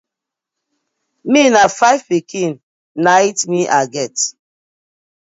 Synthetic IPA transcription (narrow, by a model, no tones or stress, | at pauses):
minafajvpikʰĩnː | aitmiʔaɡɛt